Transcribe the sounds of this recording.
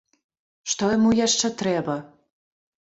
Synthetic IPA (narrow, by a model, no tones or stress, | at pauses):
ʃt̪ojmujeʃːə̆t̪ɾebə̆